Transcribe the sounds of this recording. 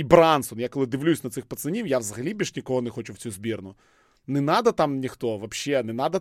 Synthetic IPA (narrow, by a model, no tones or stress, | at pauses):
ibɾansɔnjakɔlˠɪd̪ɪʋlʲusʲnɐt̪sɪxpɐt̪senʲiwjaʋzɐɦɐlʲibʲiʃnʲikɔɦɔnexɔt͡ʃʊwt͡sʲuzʲbʲirnʊ | nɛnɑd̪ɐt̪ɑmnʲixt̪ɔʋɐpʃːɛnɛnɑd̪ɐ